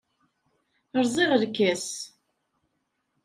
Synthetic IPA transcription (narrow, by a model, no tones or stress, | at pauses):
əɾˤzˤiʁəlkːæs